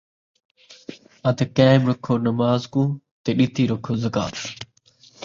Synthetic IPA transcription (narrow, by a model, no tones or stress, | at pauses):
ɐd̪kẽːmɾɐkʰːoːnɐmaːzkũː | t̪eːɗɪt̪iːɾɐkʰoːzɐka̰ːt̪